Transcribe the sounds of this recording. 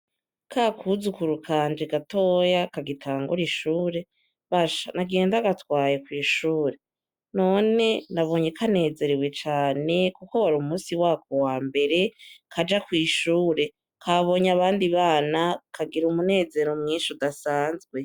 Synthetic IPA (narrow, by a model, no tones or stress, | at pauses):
kaːkʰuzukuɾukʰaːnd͡ʒeɡato̞ːjakaɡitʰaːŋɡṵɾiʃuːɾe̞ | βaʃanaɡeːndaɡatwaːjekwiːʃuːɾe̞ | no̞ne̞naβo̞ɲekʰane̞ːze̞ɾewe̞t͡ʃaːne̞kukoaɾumusiwaːkʰowaːmbe̞ɾe̞kʰad͡ʒakwiːʃuːɾe̞ | kʰaβo̞ɲaβaːndiβaːnakaɡiɾumune̞ːze̞ɾomŋiːʃudasaːnzɡwe̞